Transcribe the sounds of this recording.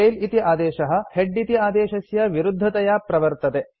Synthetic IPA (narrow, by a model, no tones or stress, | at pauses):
ejlit̪iʔaːd̪ɛːʃɐɦɐ̆heɖːit̪iaːd̪eːʃɐsjɐʋiɾud̪ʱːɐt̪ɐjaːpɾɐʋɐɾt̪ɐt̪e